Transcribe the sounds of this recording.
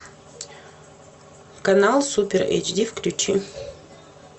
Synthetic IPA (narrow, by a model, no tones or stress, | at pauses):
kɐnalˠsupʲeɾɛ̰t͡ʃdʲifklʲʉt͡ɕi